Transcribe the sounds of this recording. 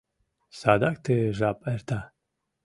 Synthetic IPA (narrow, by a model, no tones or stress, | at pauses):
sad̪akt̪ʰeʒapʼɛɾt̪ʰa